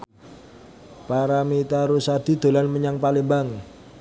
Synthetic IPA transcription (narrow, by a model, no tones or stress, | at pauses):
paɾamit̪aɾusad̪̥i̤d̪̥o̤lanməɲaŋpalɪmbaŋ